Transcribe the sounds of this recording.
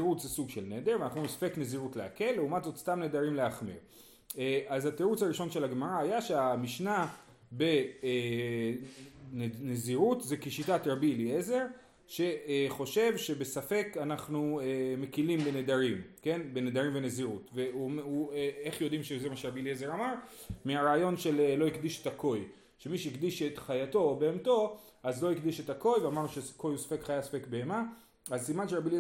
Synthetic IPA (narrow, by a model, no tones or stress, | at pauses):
ʁut͡szesuɡʃelned̪eʁveanaχnumimsḁfe̞kne̞ziʁutleake̞lːeumatzo̞tstamne̞d̪aʁimleaχmḭʁ | eʔazhat̪eʁut͡shaʁiʃo̞nʃe̞laɡmaʁaajaʃe̞amiʃna | be̞ | nneziʁutzekiʃitatʁabilie̞ze̞ʁ | ʃe̞χo̞ʃe̞vʃe̞be̞safe̞kanaχnueme̞kilimbened̪aʁimke̞nbened̪aʁimveneziʁutveumueeχjo̞d̪imʃezemaʃeʁabiliezeʁamaʁ | meaʁaːjo̞nʃe̞lelo̞ikd̪iʃetakʰo̞j | ʃemiʃeikdiʃe̞tχajato̞beːmto̞ | azlo̞ikd̪iʃetako̞jveamaʁnuʃesko̞jusḁfe̞kχajasḁfekbe̞ema | azsimanʃeʁabilie